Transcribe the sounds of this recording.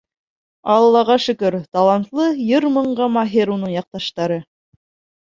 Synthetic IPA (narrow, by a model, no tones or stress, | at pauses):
ɑlˠːɑʁɑʃɵ̆kɵɾt̪ɑlˠɑnt̪lˠɤjɤɾmɤ̆ɴɢɑmɑɦiɾunɤɴjɑq̚t̪ɑʃt̪ɑɾɤ